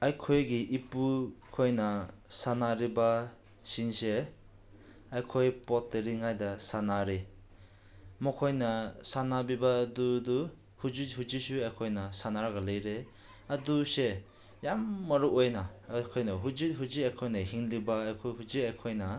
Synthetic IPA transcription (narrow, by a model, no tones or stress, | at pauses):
ajkʰojɡiʔipukʰojnɐsanaɾiba | sinse | ajkʰojpɔt̚ːeɾiŋajdasanaɾe | mɔkʰojnɐsanabibadudu | hud͡ʒihuzisuajkʰojnɐsanaɾɡɐlejɾe | ɐduse | jamːɐɾuojnakʰojnɐɦud͡ʒiɦuziajkʰojnɐɦiŋlibaːjkʰojɦuziajkʰojnɐ